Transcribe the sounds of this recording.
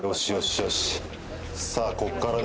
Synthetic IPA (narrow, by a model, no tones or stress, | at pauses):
ɾoɕioɕioɕ | saːkokːaɾad̪